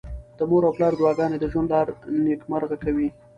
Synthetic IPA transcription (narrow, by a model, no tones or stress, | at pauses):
d̪̥əmoɾawplɑɾd̪wɑɡɑned̪əʒwand̪lɑɾnekmaɾɣakawi